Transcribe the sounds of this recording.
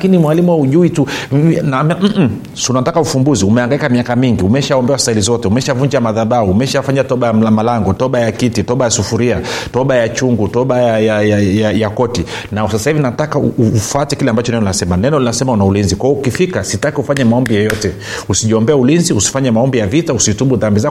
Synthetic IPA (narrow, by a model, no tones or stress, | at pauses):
kinimwalimuwauʄuitunamɛm̩ | sunatakaufumbuziumɛaŋɡaikamiakamiŋɡiumɛʃaɔmbɛwassailizɔtɛumɛʃavuɲd͡ʒamaðaɓauːmɛʃafaɲatɔɓajamlamalaŋɡɔtɔɓajakititɔɓajasufuɾiatɔɓajat͡ʃuŋɡutɔɓajajajajajakɔti | nasasaivinatakauufatɛkilɛambat͡ʃɔnɛnɔlinasɛmanɛnɔlinasɛmaunaulinzikwaɔukifikasitakiufaɲɛmaɔmbijɔjɔtɛ | usiʄiɔmbɛaulinziusi̥faɲamaɔmbijavitausiutuɓuðambiza